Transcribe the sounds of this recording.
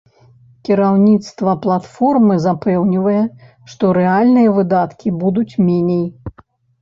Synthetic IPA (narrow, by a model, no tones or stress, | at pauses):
kʲiɾawnʲit̪st̪vɐplˠat̪fɔrmɨzapɛwnʲivɐjɛ | ʂt̪ɔɾɛalʲnɨjɐvɨd̪at̪kʲibud̪ut͡sʲmʲenʲej